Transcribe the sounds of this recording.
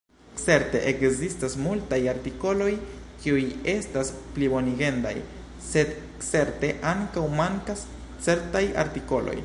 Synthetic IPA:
t͡se̞ɾte̞ʔekzistasmultajaɾtiko̞lo̞j | kiuje̞stasplibo̞niɡe̞nda̰j | sed̪ | t͡se̞ɾte̞ʔaŋkawmaŋkas | t͡se̞ɾtaja̰ɾtiko̞lo̰j

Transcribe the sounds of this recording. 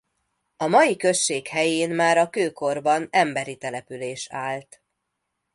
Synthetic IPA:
ɒmɒjikø̞ʃːeːkhɛjeːnmaːɾɒkøːko̞rbɒnɛmbɛɾit̪ɛlɛpyleːʃaːlt̪

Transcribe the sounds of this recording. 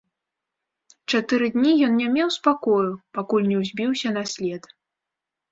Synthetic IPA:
t͡ʂat̪ɨɾɨd̪ʲnʲijɔnnʲamʲɛwspakɔjupakulʲnʲɛwzʲbʲiwsʲɐnɐsʲlʲɛt̪

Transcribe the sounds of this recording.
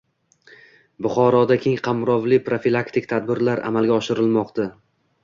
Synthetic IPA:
bʊχɒɾɒd̪akʲʰeŋqʰɑmɾɒvlɪpɾofilˠakt̪ɪk̚ʲt̪ʰad̪̚bɪɾlaɾa̰malˠɡʲaɒʃɪɾɪlmɒqt̪a

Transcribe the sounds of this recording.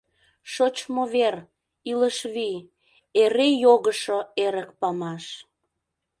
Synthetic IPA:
ʃot͡ɕmoβer | iləʃβi | eɾejoɣəʃoeɾək̚pɑmɑʃ

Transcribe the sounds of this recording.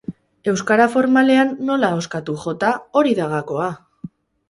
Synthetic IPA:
e̞wskaɾafo̞ɾmale̞anːo̞lao̞skat̪uʝo̞t̪ao̞ɾiðaɣako̞a

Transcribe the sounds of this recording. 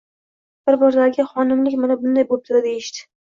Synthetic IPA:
b̥ɪɾbɒɾd̪aɾɡʲɪχɒnɪmlɪkʲmɪnabʊnd̪ajbop̚t̪ʰɪɾad̪ejɪʃt̪ɪ̥

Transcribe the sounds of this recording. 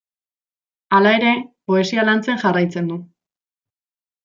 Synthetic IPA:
alae̞ɾe̞po̞e̞sialant͡seŋʝarajt͡se̞nd̪u

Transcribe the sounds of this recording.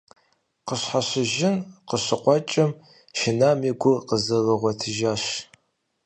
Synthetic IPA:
qəɕħaɕɪʒɪnqəɕɨqʷɔt͡ʃʼɐm | ʃɪnaːmiɡʷʊqəzɐlɨʁʷɔtʰɨʒaːɕ

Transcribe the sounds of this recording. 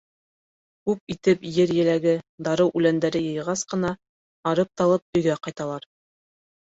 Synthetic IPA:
kʉp̚it̪ɘpjɘɾjɘ̆læɡɘd̪ɑɾɤwʔʉlænd̪æɾɘjɤ̆jʁɑsqɤ̆nɑ | ɑɾɤp̚t̪ɑlˠɤp̚ɵ̆jɡæqɑjt̪ɑlˠɑɾ

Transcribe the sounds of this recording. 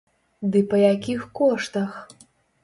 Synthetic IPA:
d̪ɨpɐjakʲixkɔʂt̪ɐx

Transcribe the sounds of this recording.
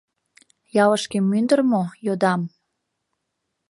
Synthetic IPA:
jɑləʃkemːynd̪ərmojod̪ɑm

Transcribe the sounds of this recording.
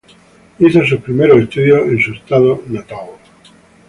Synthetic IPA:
iθos̬upɾimeɾoest̪uðjoʔensuest̪aðonat̪aw

